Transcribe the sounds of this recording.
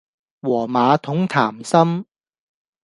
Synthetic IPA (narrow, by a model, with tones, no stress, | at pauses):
wɔː˨˩maː˨˧t̪ʰʊ˨˥ŋt̪ʰaː˨˩msɐ˥m